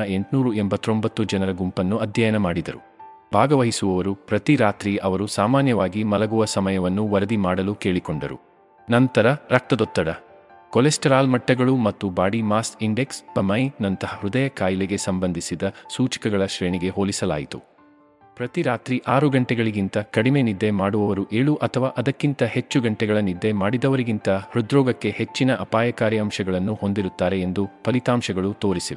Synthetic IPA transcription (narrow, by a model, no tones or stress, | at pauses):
ɐe̞ɳʈnuːɾuembɐt̪ːɾombɐt̪ːud͡ʒɐnɐɾɐɡumpɐnːuɐd̪ʱjɐjɐnɐmaːɽid̪ɐɾṵ | bʱaːɡɐʋɐɦisuʋɐʋɐɾupɾɐt̪iɾaːt̪ɾiʔɐʋɐɾusaːmaːnjɐʋaːɡimɐlɐɡuʋɐsɐmɐjɐʋɐnːuʋɐɾɐd̪imaːɽɐluke̞ːɭikoɳɖɐ̰ɾṵ | nɐnt̪ɐɾɐɾɐk̚t̪ɐd̪ɔt̪ːɐɽɐ | kɔlesʈɐɾaːlmɐʈːɐɡɐɭumɐt̪ːubaːɽimaːstiɳɖe̞kspɐmɐjnɐnt̪ɐɦɐhɾud̪ɐjɐkaːjleɡe̞sɐmbɐnd̪ʱisid̪ɐsuːt͡ʃɐ̥kɐɡɐɭɐʃɾe̞ːɳiɡe̞ɦoːlisɐla̰ːjit̪ṵ | pɾɐt̪iɾaːt̪ɾiʔaːɾuɡɐɳʈɛɡɐɭiɡint̪ɐkɐɽimenid̪ːemaːɽuʋɐʋɐɾuʔe̞ːɭuʔɐt̪ʰɐʋaːʔɐd̪ɐkːint̪ɐhe̞t͡ʃːuɡɐɳʈɛɡɐɭɐnid̪ːemaːɽid̪ɐʋɐɾiɡint̪ɐhɾud̪ɾɔːɡɐkːe̞het͡ʃːinɐʔɐpaːjɐkaːɾiɐmʃɐɡɐɭɐnːuho̞nd̪iɾut̪ːaːɾe̞end̪upɐlit̪aːmʃɐɡɐɭut̪o̞ːɾisiʋe